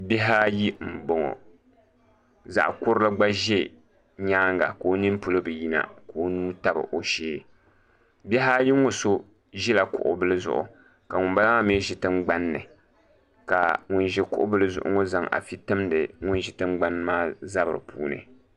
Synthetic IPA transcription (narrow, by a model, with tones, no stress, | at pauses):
bɛ˦ɦaː˦ji˦m̩˨bo˨ŋɔ̰˨ | za̰˨ʔkʊ˦ɾlɨ˦ɡ͡ba˦ʒe˦ | ɲaː˦ŋɡa̰˨ko˨˦nɨ˦m˦pu˦lo˦bɨ˨ji˦na̰˨ko˨˦nuː˦ta˦bɨ̰˨ʔo˨ʃeː˦ | bɛ˦ɦaː˦ji˦ŋo˨so˦ | ʒɛ˦la˨kʊ̰˨ʔʊ̰˨bɨ˦lɨ˦zʊ̰˦˨ʔʊ̰˨ | ka˨ŋʊ˨n˦ba˦la˦me˦ʒɪ˨tɨ˦ŋ͡mɡ͡ba˦nːɨ˨ | ka̰˨ŋʊ˦nʒɛ˦kʊ˦ʔʊ˦bɨ˦lɨ˦zʊ̰˦ʔʊ̰˦ŋɔ˦za˨ŋa̰˨fi˦tɨ˦mdɨ˨ŋʊ˦nʒɪ˨tɨ˦ŋ͡mɡ͡ba˦n˦maː˦za˦bɨ˨ɾɨ˨pṵː˦nɨ̰˨